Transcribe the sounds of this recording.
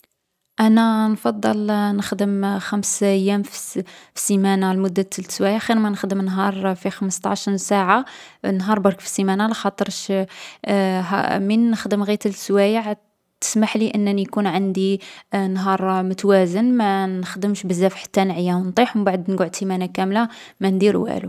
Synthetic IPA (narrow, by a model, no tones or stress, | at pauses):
ʔænænfɑd̪ˤːɑlnəxd̪əmxæmsʔjːæmffsimænalmʊd̪ːat̪ʰːəlswæjaʕxiɾmænəxd̪əmnɦɑɾˤfixəməst̪ˤɑ̰ʕʃɾsaʕa | nːɦɑɾˤbɑɾˤkfi̥simænalɑxɑt̪ˤəɾʃ | ɦæ̰minːəxd̪əmɣit̪əlswæjəʕ | t̪ə̥smaħliʔənːənijkunʕand̪inɦɑɾˤmʊt̪wæzənmænəxd̪əmʃbəzːæfħḁt̪ːænʕəjːawnt̪ˤiħmbaʕd̪nɡuʕt̪simænakæmla | mænd̪iɾwʔæ̰lṵ